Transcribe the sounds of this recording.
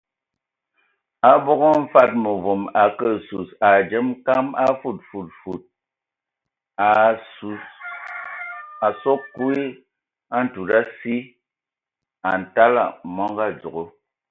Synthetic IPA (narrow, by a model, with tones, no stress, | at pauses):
a˦bo˦ɡo˦m̩˦fa˦t̚mo˨vo˨ma˨kə˦˨su˨sa˨d͡ʒə˦mka˦ma˦fu˦˨t̚fu˨t̚fu˨t̚ | a˨so˦kkːu˦i˦ | a˦n̩˨tu˨ɾa˦si˦ | a˨n̩˨ta˦la̰˨mɔ˦ŋɡa˦d͡zo˨ɡo˦